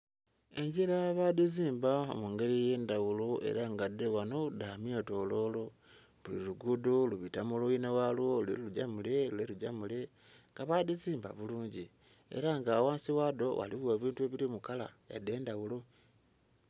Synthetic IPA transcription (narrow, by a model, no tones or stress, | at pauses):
e̞ɲɟiɾaβadiziːmbao̰muːŋɡe̞ɾije̞ːndawuloe̞̰ɾaŋɡadewanodamioto̞ːlo̞lo̞ | βulḭluɡuduluβitamulojinewalwoulelluɟamuleluleluɟamule̞ | ŋɡaβadiziːmba̰βuluːɲɟi | ḛɾaŋɡaːwaːnsiwaːdo̞wa̰liβuweβiːntue̞βilimukala̰ja̰de̞ːndawulo